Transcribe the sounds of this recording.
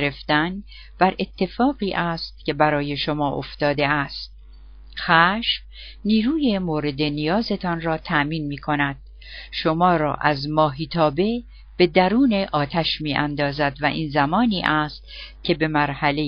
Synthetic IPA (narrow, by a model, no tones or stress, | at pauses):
ɾeft̪æn | b̥æɾʔe̞t̪ʰːe̞fɒːɣiːʔæːst̪̚cʰe̞bæɾɒːje̞ʃo̞mɒːʔo̰ft̪ɒːd̪eæst̪̚ | xæːʃf | niːɾuːjemoːɾe̞d̪e̞nijɒːze̞t̪ʰɒnrɒːt̪ʰæʔmiːnmiːkʰo̞næd̪̥̚ | ʃomɒːɾɒ̰ːʔæzmɒːɦiːt̪ʰɒːbe̞ | b̥e̞d̪æɾuːne̞ʔɒːt̪ʰæʃmiːʔænd̪ɒːzæd̪væʔiːnzæmɒːniːʔæːst̪cʰe̞be̞mæɾhæle